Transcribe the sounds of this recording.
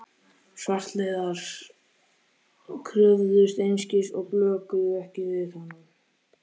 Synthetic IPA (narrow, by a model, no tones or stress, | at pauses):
svar̥t̪lejðaɾ̥ | kʰɾʏvðʏst̪ejnscɪsɔɣplœːkʏðʏɛhcɪvɪðhanːʏm